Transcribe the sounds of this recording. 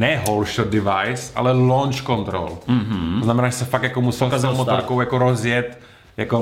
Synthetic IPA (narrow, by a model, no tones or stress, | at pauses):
nɛɦolʃodɪvajsa̰lɛlont͡ʃkont̪ɾo̰l̩oznamɛnaːʒɛsɛfak̚jakomusɛkzomot̪oɾkowjakoɾozjɛt̪ | jako